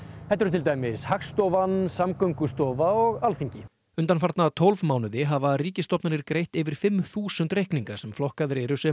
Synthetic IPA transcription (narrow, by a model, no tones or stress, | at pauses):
hɛt̪aɾt̪ʰɪlt̪aːjmɪshaksːt̪ɔvansamkœŋkʏst̪ɔːvaɔɣalθiɲcɪ | ʏnt̪anfaɾt̪nat̪ʰɔlvmaːwnʏðɪɦavariːcɪst̪ɔpnanɪɾkɾejht̪ɪvɪɾ̥fɪmθuːsʏnt̪rejhkniŋkaɾ̥sɛmflɔhkaðɾeːɾʏsɛ